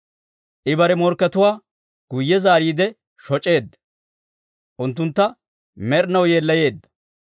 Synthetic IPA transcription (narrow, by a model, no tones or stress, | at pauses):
ʔɪbɐɾɛmɔɾkːɐt̪ʊwaː | ɡ̥ʊjːɛzaːɾiːd̪ɛ | ʃɔt͡ʃʼe̞ːd̪ːɐ | ʔʊnt̪̬ːʊnt̪ːɐ | mɛɾnɐwjeːlːɐje̞ːd̪ːɐ̥